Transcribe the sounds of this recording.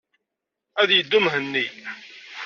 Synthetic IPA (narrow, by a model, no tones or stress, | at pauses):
æðjəd̪ːumɦənːi